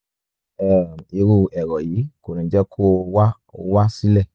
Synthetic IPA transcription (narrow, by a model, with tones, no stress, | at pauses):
ɛ˨i˧ɾu˧˨ɛ˨ɾɔ˨ji˨˦ko˨nĩ˨˦d͡ʒɛ˦kʰo˦˧wa˦ | o˧wa˦si˦lɛ˦˨